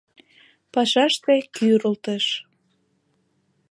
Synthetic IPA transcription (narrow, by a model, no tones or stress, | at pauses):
pɑʃɑʃt̪ekyɾəlt̪əʃ